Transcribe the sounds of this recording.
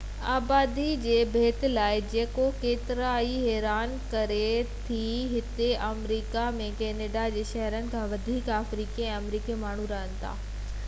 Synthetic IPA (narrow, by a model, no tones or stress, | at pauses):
aːbaːd̪id͡ʑeːbʱeːt̪ɪlaːɪd͡ʑeːkokeːt̪ɪɾaiɛːɾaːnkɐɾet̪ʰiɦɪt̪eʔɐmɾiːkamẽkeːneːɖad͡ʑeːʃɛɦɾənɪ̆kʰãʋɐd̪ʱiːkaːfɾiːkiɛ̃ːɐmɾiːkemaːɳ̤ũɾɐɦənɪ̆t̪ʰa̰ː